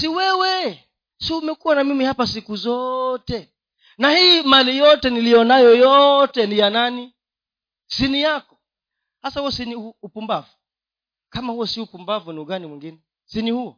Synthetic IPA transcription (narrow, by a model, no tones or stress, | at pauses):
siwɛwɛ | siumɛkuwanamimihapasikuzɔtɛ | nahiːmalijɔtɛnilijɔnajɔjɔtɛnijanani | sinijakɔ̥ | hasahuɔsiniuupumbavu | kamahuɔsiupumbavuniuɠanimwiŋɡinɛ | sinihuɔ